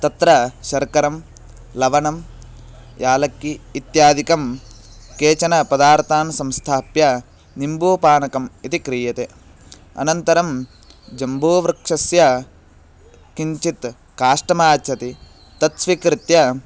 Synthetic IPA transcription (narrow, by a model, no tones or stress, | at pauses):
t̪ɐt̪ɾɐʃɐɾkɐɾɐm | lɐʋɐnɐm | jʔaːlɐkːiːt̪jaːd̪ʱikɐm | keːt͡ʃɐnɐpɐd̪aːɾt̪ʰaːnsɐmst̪ʰaːpjɐ | nimbuːpaːnɐkɐmit̪ikɾiːjɐt̪e | ɐ̰nɐnt̪ɐɾɐm | d͡ʒɐmbʱoːʋɾɐkʂɐsjɐ | kiɲt͡ʃit̪ | kaːʂʈɐmaːt͡ʃʰɐt̪i | t̪ɐt̪sʋikɾɪt̪jɐ